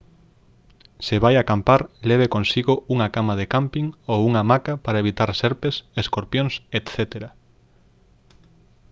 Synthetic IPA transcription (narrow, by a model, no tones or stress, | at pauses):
seβajakampaɾleβ̞ekõnsiɣouŋakamaðekampiŋowuŋamakapaɾaeβit̪aɾseɾpeseskoɾpjoŋset̪θet̪eɾa